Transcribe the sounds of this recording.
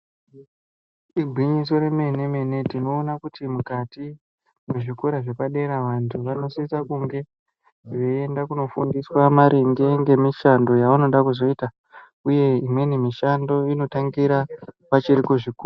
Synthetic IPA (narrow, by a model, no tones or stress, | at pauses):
iɡʱwiɲiso̞ɾe̞me̞ne̞me̞ne̞tino̞ːnakutimukati | meʐikoɾaʐe̞paɗe̞ɾaʋantʰuʋano̞sisakuŋɡe̞ | ʐe̞endakuno̞fundiswamaɾʔiŋɡe̞ŋɡe̞miʃando̞jauno̞ɗakuzo̞ita | uje̞imwe̞nimiʃando̞ino̞taŋɡiɾa | pat͡ʃiɾikuʐikuː